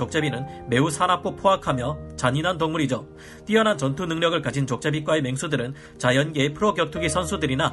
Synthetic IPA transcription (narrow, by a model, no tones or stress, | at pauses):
ʌk̚t͡ɕ͈ebinɯnme̞usʰanak͈opʰoakʰamjʌt͡ɕaɲinɦant̬oŋmuɾid͡ʑo | t͈iʌnant͡ɕʌntʰunɯŋɲʌɡɯɭkad͡ʑint͡ɕʌk̚t͡ɕ͈ebik͈waeme̞ŋsʰudɯɾɯn | t͡ɕajʌnɡeepʰɯɾʌkjʌk̚tʰuɡisʰʌnsʰudɯɾina